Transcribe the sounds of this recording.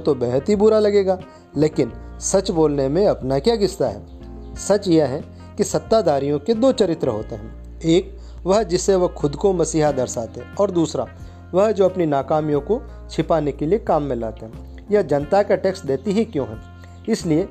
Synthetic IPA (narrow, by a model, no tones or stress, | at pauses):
t̪obɛːɦt̪ibʊɾalɐɡeːɡaː | leːkɪnsɐt͡ʃboːlnemẽɐpnakjaːɡɪst̪aɦɛ̰ː | sɐt͡ʃjeɦɛ̃ | kisɐt̪ːad̪aːɾijõked̪oːt͡ʃɐɾɪt̪ɾəɦoːt̪eɦɛ̃ | eːk | ʋɐɦd͡ʒɪsːeʋɐɦxʰʊd̪komɐsiːɦad̪ɐɾsaːt̪eɦɛ̃ɔːɾd̪uːsɾa̰ | ʋɐɦd͡ʒoːɐpninaːkaːmjõko | t͡ʃʰɪpaːnekeliekaːmːɪ̃laːt̪eɦɛ̃ | jɐd͡ʒɐ̃nt̪akaʈeːksʈd̪eːt̪iɦikjõːɦː | ɪslie